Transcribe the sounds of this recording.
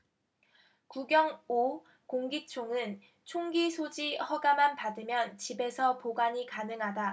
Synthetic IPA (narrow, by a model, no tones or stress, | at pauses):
kuɡjʌŋo | koŋɡit͡ɕʰoŋɯn | t͡ɕʰoŋɡisʰod͡ʑihʌɡamanpadɯmjʌnt͡ɕibe̞sʰʌpoɡaɲikanɯŋɦada